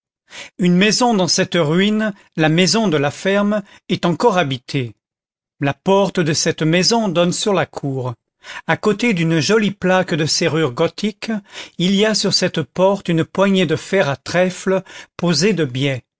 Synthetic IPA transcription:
ynmɛzɔ̃d̪ɑ̃sɛt̪ʁɥin | lamɛzɔ̃d̪əlafɛʁm | ɛt̪ɑ̃kɔʁabit̪ʰe | lapɔʁt̪d̪əsɛt̪mɛzɔ̃d̪ɔnsyʁlakʰuːʁ | akot̪ed̪ynʒɔliplakd̪əseʁyʁɡɔt̪ʰikiliasyʁsɛt̪pɔʁt̪ynpwaɲed̪əfɛʁat̪χɛfləpozed̪əbjɛ

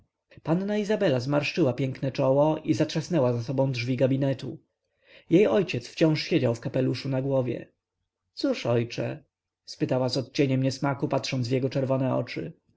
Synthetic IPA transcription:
panːaizabɛlazmaɾʂɘwapʲjɛŋknɛt͡ʂɔwɔʔizatʂasnɛwazas̬ɔbɔ̃w̃dʐvʲiɡabʲinɛt̪u | jejɔjt͡ɕɛt̪sft͡ɕɔ̃w̃ʂɕed͡ʑawfkapɛluʂunaɡwɔvʲjɛ̰ | t̪suʂɔjt͡ʂɛ̰ | spɘt̪awazɔt̪̚t͡ɕeɲɛmɲɛsmakupat̪ʂɔnd̪zvjɛɡɔt͡ʂɛɾvɔnɛɔ̰t͡ʂɘ̰

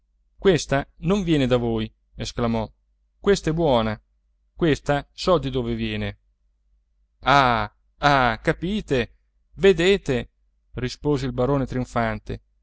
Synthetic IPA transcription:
kwest̪anoɱvjɛːned̪avoːj | esklamɔ | kwest̪aɛbːwɔːna | kwest̪asɔd̪id̪oːvevjɛːne | a | akapiːt̪e | ved̪eːt̪e | rispoːzeilbaɾoːnet̪ɾiuɱfant̪ḛ

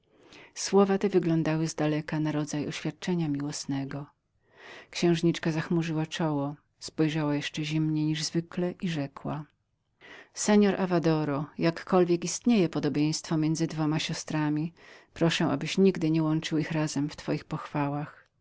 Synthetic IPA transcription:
swɔvat̪ɛvɘɡlɔ̃nd̪awɘzd̪alɛkanaɾɔd̪zajɔɕfʲjat̪̚t͡ʂɛɲamʲiwɔsnɛɡɔ | kɕɛ̃w̃ʐɲit͡ʂkazaxmuʐɘwat͡ʂɔwɔ | spɔjʐawajɛʂt͡ʂɛʑimɲɛɲiʐzvɘklɛʔiʐɛkwa̰ | sɛɲɔɾʔavad̪ɔɾɔjakːɔlvʲjɛkist̪ɲejɛpɔd̪ɔbʲjej̃st̪fɔmʲjɛnd̪zɘd̪vɔmaɕɔst̪ɾamʲipɾɔʂɛʔa̰bɘɕɲiɡd̪ɘɲɛwɔnt͡ʂɘwixɾazɛmft̪fɔjixpɔxfawax

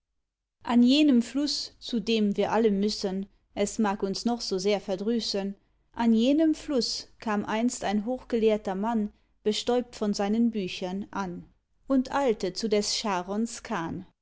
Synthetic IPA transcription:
ʔanjeːnəmflʊst͡sudeːmviːɐʔaləmʏsən | ʔɛsmaːkʊnsnɔχz̥oːzeːɐfɛɐdʁyːsən | ʔanjeːnəmflʊskʰaːmʔaɪnstaɪnɦoːχɡ̥əleːɐtɐman | b̥əʃtɔʏp̚tfɔnzaɪnənbyːçɐnʔan | ʔʊntʰʔaɪltət͡sudɛsʃaːʁɔnskʰaːn

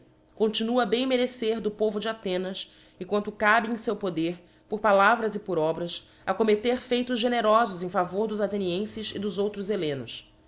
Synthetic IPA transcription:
kõnt͡ʃinuɐbẽj̃meɾeseɾd̪ʊpovʊd͡ʒɪat̪ẽnɐs | ɪkwɐ̃nt̪ʊkabɪẽj̃sewpod̪eɾ | pʊɾpalavɾɐzɪpʊɾɔbɾɐs | ɐkomet̪eɾfejt̪ʊzʒeneɾɔzʊzẽj̃favoɾd̪ʊzat̪eniẽsɪsḭd̪ʊzowt̪ɾʊzelẽnʊs

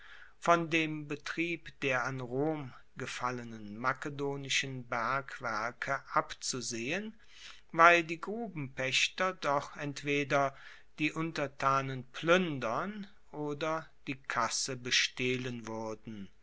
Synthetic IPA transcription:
fɔndeːmbətʁ̥iːpd̥eːɐanʁoːm | ɡəfalənənmakədoːnɪʃənbɛɐkv̥ɛɐkʰəʔapt͡suzeːən | vaɪldiːɡʁuːbm̩pɛʃtɐdɔχʔɛntv̥eːdɐ | d̥iːʔʊntɐtʰaːnənpʰlʏndɐn | ʔoːdɐd̥iːkʰasəbəʃtɛːlənvʏɐdn̩

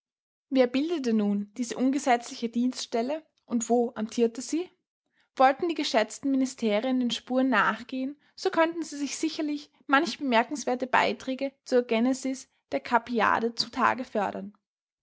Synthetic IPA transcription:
veːɐbɪldət̬ənuːnd̥iːzəʔʊnɡəzɛt͡slɪçədiːnstʃtɛlə | ʔʊntv̥oːʔamtʰiːɐtəz̥iː | v̥ɔltn̩diːɡəʃɛt͡stn̩mɪnɪstʰeːʁiəndeːnʃpuːɐənːaːχɡ̥eːən | z̥okʰœntn̩ziːzɪçz̥ɪçɐlɪç | mançəb̥əmɛɐkŋ̩sv̥eːɐtəba̰ɪtʁ̥ɛːɡət͡suːɐɡɛnɛzɪs | d̥eːɐkʰapia̰ːdət͡sutʰa̰ːɡəfœɐɾɐn

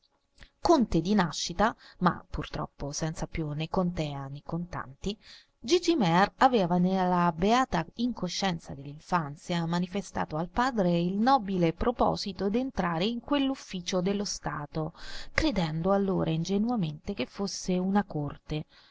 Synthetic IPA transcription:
kont̪ed̪inaʃːit̪ama̰pːurt̪ɾɔ̰pːosɛnt̪sapjunekont̪ɛanːekont̪a̰nt̪i | d͡ʒid͡ʒimɛravɛːvanelːabeaːt̪aiŋkoʃːɛnt̪sa̰d̪elːiɱfant̪sjamanifest̪a̰ːt̪oalpaːd̪ɾeilnɔːbilepɾopɔ̰ːzit̪od̪ent̪ɾaːɾeiŋkwelːufːiːt͡ʃod̪elːost̪aːt̪okɾed̪ɛnd̪oalːoːɾʔaind͡ʒenuament̪ek̟efːosːeunakort̪e

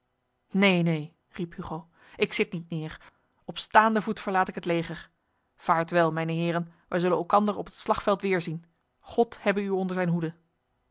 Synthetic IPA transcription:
nejnej | riphyχow | ʔɪksɪt̚nitnɪːɹ | ɔpstaːndəvutfəɹlaːtɪkɦətlejχəɹ | v̥aːɹtʋɛlˠmɛjnəɦɪːɾənʋɛjzɵlənɛlˠkɑndərɔpətslɑχfɛlˠtʋɪːɹzin | χɔthɛbəyɔndəɹzɛjnɦudə

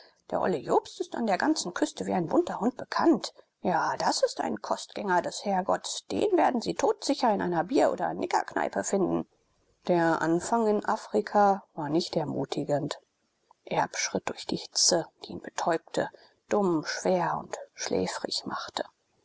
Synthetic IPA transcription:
d̥eːɐʔɔ̰lijoːpstɪsta̰ndeːɐɡant͡sn̩kʰʏstəviːaɪnbʊntɐhʊnt̚b̥əkʰant | jaːd̥asɪsta̰ɪnkʰɔstɡ̥ɛŋɐdɛshɛɐɡɔtd̥ḛːnveːɐdn̩ziːtʰoːtz̥ɪçɐɪnʔa̰ɪnɐbiːɐʔo̰ːdɐ̰nʔɪɡɐ̰kna̰ɪpəfɪndn̩ | d̥eːɐʔa̰nfaŋɪnʔafʁ̥ikʰavaːɐnɪçtɛɐmuːtʰɪɡənt | ʔɛɐpʃʁ̥ɪt̚d̥ʊɐçd̥iːhɪ̥t͡səd̥iːiːnb̥ətʰɔʏp̚tʰə | d̥ʊmʃv̥eːɐʊ̰ntʃlɛ̰ːfʁ̥ɪ̰çmaχtʰə̥

